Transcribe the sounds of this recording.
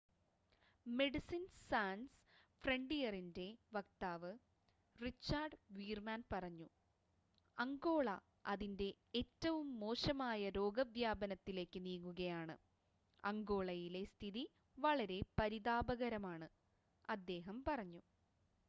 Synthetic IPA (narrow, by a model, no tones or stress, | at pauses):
me̞ɖisinsaːnsfreɳɖijɐrinde̞ʋɐk̚t̪aːʋɨ | rit͡ɕːaːrɖʋiːrmaːnpɐrɐɲːu | ɐŋɡo̞ːɭɐ | ɐðinde̞ːtːɐʋumːo̞ːʂɐmaːjɐɾo̞ːɡɐʋjaːbɐnɐt̪ːile̞ːkːɨniːkːuɣɐjaːɳɨ̰ | ɐŋɡo̞ːɭɐjile̞st̪ʰiði | ʋɐɭɐɾe̞pɐɾiðaːbɐɣɐɾɐmaːɳɨ | ɐd̪ːe̞ːɦɐmpɐrɐɲːu